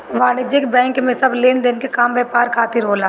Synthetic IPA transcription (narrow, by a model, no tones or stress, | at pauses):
ʋaːlɪd͡ʒɪkbɛ̃ːŋkmẽsɐbleːnd̪eːnkekaːmbɛːpaːɾkʰaːt̪ɪɾɦoːlaː